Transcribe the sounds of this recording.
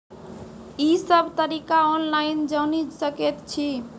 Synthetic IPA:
isəbt̪əɾikaɔnlajnd͡ʒənid͡ʒsəket̪t͡ʃʰi

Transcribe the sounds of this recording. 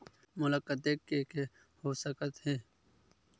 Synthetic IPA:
mʊləkːət̪ekːeke | hoːsəkət̪heː

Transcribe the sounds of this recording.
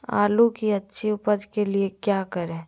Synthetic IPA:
a̰ːlukiɐtːʃʰiʊpəd͡ʒ̪keliekjaːkəɾẽː

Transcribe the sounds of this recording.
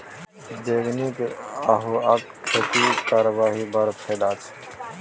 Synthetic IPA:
d̪eːɡnikaɦuɐk | pʰet̪ikaːɾəʋaːɦibɐɾpʰeːd̪aːt͡ʃʰ

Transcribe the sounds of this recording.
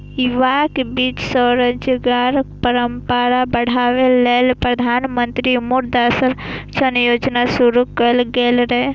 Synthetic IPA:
ɪʋaːkebiːt͡ʃsɔːɾəd͡ʒɡaɾpɐɾəmpəɾabɐɽ̤aːʋeleːlpɾɐd̪ʱaːnmə̃nt̪ɾimuɾd̪asəɾt͡ʃɐnjoːd͡ʒnasuɾukɐlɡeːlɾe

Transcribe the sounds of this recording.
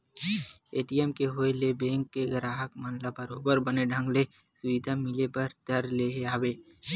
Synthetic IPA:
eːʈijɛmkeɦoːelebɛ̃ːŋkːeɡəɾaːɦəkmənlabɐɾoːbəɾbɐneɖʱə̃ŋɡle | sʊʋɪd̪ʱamɪlepɐɾd̪̥ɐɾleɦeaːʋeː

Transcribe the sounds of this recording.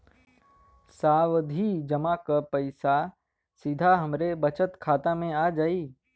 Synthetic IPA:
saːʋd̪ʱid͡ʒɐmakapɐɪsa | sɪd̪ʱaɦɐmɾebɐt͡ʃət̪kʰaːt̪amẽaːd͡ʒaːiː

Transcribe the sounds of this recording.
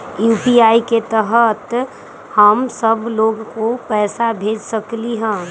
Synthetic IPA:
juːpiaːiket̪əɦət̪ | həmsəbloːɡkopɛːsabʱeːd͡ʒsəkliɦɛ̃ː

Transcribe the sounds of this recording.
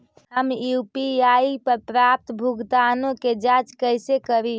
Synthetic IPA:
ɦəmjupiaipəɾpɾap̚t̪bʱuɡd̪anoked͡ʒat͡ʃkəsekəɾi

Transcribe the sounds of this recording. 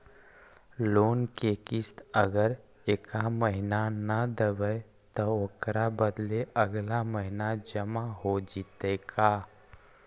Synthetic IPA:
loːnkekɪst̪əɡəɾ | eːkaməɦinanəd̪əbəe | t̪ɔoːkɾabəd̪leʔəɡlaməɦɪnad͡ʒəmaɦod͡ʒit̪ɛka

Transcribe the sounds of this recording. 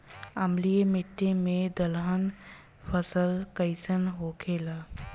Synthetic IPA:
əmlijemɪʈːemẽd̪əlɦən | pʰəsəlkəɪsənɦokʰeːlaː

